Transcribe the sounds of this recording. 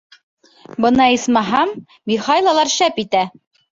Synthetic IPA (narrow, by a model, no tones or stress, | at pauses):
bɤ̆nɑismɑɦɑmː | iχɑjlˠɑlˠɑɾʃæpit̪æ